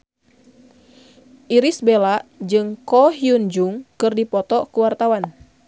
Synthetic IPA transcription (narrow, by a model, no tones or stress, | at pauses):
ʔiɾisbelaʔd͡ʒɨŋkɔɦiund͡ʒuŋkɨrdipɔt̪ɔkuwart̪awan